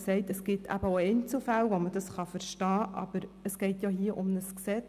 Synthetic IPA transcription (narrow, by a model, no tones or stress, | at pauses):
sɛɪtəsɡ̥ɪtʰæ̰b̥əoɛɪnt͡sl̩fælʋoməd̥ɑsχɑfəɾʃtɑːʔɑ̰b̥əɾəsɡ̥ɛɪtjɑhiəʔʊmnəsksɛt͡s